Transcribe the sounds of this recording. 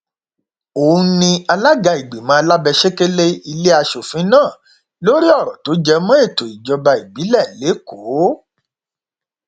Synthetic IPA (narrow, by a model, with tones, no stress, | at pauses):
o˨ũ˦nĩ˧a˧la˦ɡa˧i˨ɡ͡be˨mã˨˦a˧la˦bɛ˧ʃe˦ke˦le˦i˧le˦a˧ʃo˨fĩ˨˦nãː˦˨ | lo˦ɾi˦ɔ˦˨ɾɔ˨to˨˦d͡ʒɛ˦mɔ̃˦e˦˨to˨i˨d͡ʒɔ˧ba˧i˨bi˨˦lɛ˦˨le˨˦ko˨˦